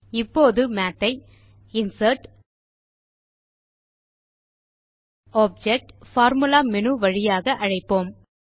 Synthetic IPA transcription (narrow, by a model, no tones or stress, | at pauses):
ɪpːoːðɯmaːʈ̪ːɐɪ | ɪnsɐɾʈ | oːp̚d͡ʒɛk̚ʈfaːɾmɯlaːmɛnɯʋɐɻɪjaːɣɐʔɐɻɐɪpːoːm